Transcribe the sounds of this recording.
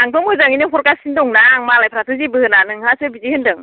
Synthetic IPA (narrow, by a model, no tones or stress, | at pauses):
naŋpʰɔmɯzaŋinɯɦɔɾkasindɔŋnaŋmalajpʰɾatʰɯzibɯɯnanɯŋhasɯbizihɯndɯŋ